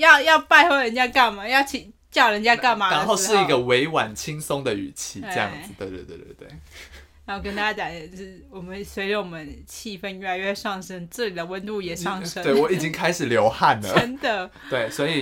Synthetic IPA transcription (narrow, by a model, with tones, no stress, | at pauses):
jɑ˥˧ʊjɑ˥˧ʊpa˥˧ɪxwo˥˩ɻə˧˦nt͡ɕja˥ka˥˩nma˨jɑ˥˩ʊt͡ɕʰi˨˩ŋt͡ɕjɑ˥˩ʊɻə˧˦nt͡ɕja˥ka˥˩nma˨a˧˦nxo˥˧ʊʂɻ̩˥˩i˦˥ɡə˧we˧˥ɪwa̰˨˩nt͡ɕʰi˦˥ŋso˥ŋd̪ə˨y̰˨˩t͡ɕʰi˧˥ə˥˧jɑ̰˧˥˩ŋ̩˩t̪we˥˧ɪt̪we˥˧t̪w̪wḛ˥˩t̪we˥˩ | a˧˦nxo˥˩k̬ə˥nt̪a˥t͡ɕja˥t̪ja˨˩nə˧˦˥wɔ˨˩mə˦nswe˧˥ɪʈ͡ʂə˧wɔ˨˩mə˦nt͡ɕʰi˥˩fə˥˧njɛ˥˩la˧ɪɥɛ˥˧ʂɑ˥˩ŋʂə˥nt͡sɹ̩˥˩t͡ɕi˨˩d̪ə˦wə˦nt̪u˥˩jɛ˨˩ʂɑ˥˩ŋʂə˥we˥˩ɪwɔ˨˦i˨˩t͡ɕi˦˥ŋkʰa˥ɪʂɻ̩˨˩ljo˧˥ʊxa˥˩nlə̰˨˩ə˧˦nd̪ə˨˦t̪we˥˩ɪswɔ˧˥i˨˩